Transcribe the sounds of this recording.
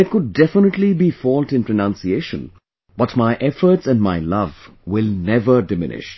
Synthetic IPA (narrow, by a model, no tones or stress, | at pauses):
ɪt̚kʊɖ̚ːɛfɪnəʈlibifɔːltɪ̃npɾənãnsieːʃə̰̃n | b̥ʌtmaɪʔɛfə˞ʈsæ̃nɖmaɪlʌv | wɪlnɛvədɪmɪ̰nɪ̰ʃ